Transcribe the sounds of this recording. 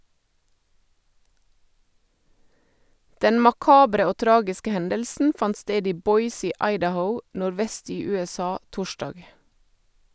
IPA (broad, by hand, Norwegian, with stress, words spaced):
ˈdɛn mɑˈkɑːbɾə ˈoː ˈtɾɑːɡɪskə ˈhɛndəlsn̩ ˈfɑnt ˈsteːd ˈiː ˈbɔʏs ˈiː ˈɑɪdəˌhəʊ nʊɾˈʋɛst ˈiː ʉɛˈsɑː ˈtʊˌʃdɑɡ